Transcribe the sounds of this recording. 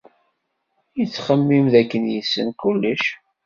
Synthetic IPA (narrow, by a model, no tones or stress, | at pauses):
jət͡sːχəmːimðækːənjəsːənkulːəʃ